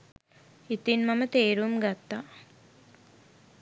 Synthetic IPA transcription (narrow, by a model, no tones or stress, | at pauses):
it̪inmamət̪eːɾuumɡat̪ːaː